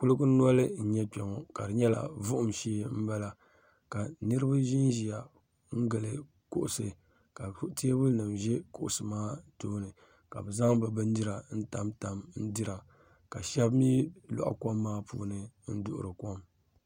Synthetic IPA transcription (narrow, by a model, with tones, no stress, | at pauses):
kʊ˦lɨ˦ku˦n˦ɔ˦lɨ˦n̩˦ɲɛ˦pɛ˨ŋɔ˨ka˨dɨ˨ɲɛ˦la̰˨vʊ˦ʔʊ˦mʃiː˦m̩˦ba˦la˨ | ka˨nɨ˦ɾɨ˦ba˦ʒi˦nʒi˨ja˨ | ŋ̩˦ɡɨ˨lɨ˨ | kʊ˦ʔʊ˨sɨ˨ | ka˨˦te˦bʊ˦nɨ˨mʒɛ˦kʊ˨ʔʊ˨sɨ˨maː˦toː˦nɨ˨ | ka˨bɛ˨za˦ŋbɨ˨bɨ˦n˦dɨ˦ɾa˨n̩˦ta˨mta˨mn̩˦dɨ˦ɾa˨ | ka˨ʃɛ˦bmiː˦la̰˨ʔa̰˨ko˦mːaː˦pṵː˦nɨ˨n̩˦dʊ˦ʔʊ̰˨ɾɨ˨ko˦m